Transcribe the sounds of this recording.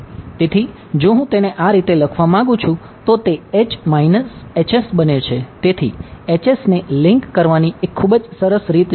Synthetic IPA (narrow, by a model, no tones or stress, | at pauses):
t̪et̪ʰi | d͡ʒõɦũt̪eneʔaɾit̪eləkʰʋamãɡũt͡ʃʰũ | t̪ot̪eet͡ʃmainəset͡ʃesbənet͡ʃʰet̪et̪ʰḭet͡ʃesneliŋkːəɾʋaniekʰːubd͡ʒsəɾəsɾit̪